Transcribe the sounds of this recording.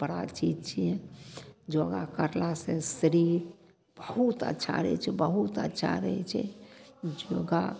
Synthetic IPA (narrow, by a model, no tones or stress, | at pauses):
pəɾat͡ʃit̪t͡ʃʰijɛ̃ | d͡ʒoɡakəɾlasẽsəɾiɾ | b̥əhut̪ə̰tːʃʰa̰ɾəɦɛt͡ʃʰɛbəɦut̪ə̰tːʃʰa̰ɾəɦɛt͡ʃʰɛ̰d͡ʒoɡa